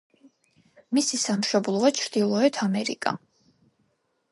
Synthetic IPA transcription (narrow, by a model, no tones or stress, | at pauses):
misisamʃɔblˠɔat͡ʃʰɾd̪ilˠɔɛt̪ʰamɛɾḭkʼa̰